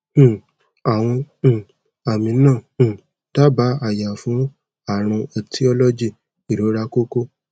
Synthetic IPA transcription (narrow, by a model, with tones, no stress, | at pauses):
a˨w̃ɔ̃˧˨ | a˨mĩ˨˧˦nãː˦˨ | ta˦ba˨˦a˦˨ja˨fũ˨˦ | a˦˨ɾ̃ũ˧ɔ˧tʰi˦ɔ˧lɔ˦d͡ʒi˦˨ | i˨ɾo˨˦ɾa˧˦ko˦ko˦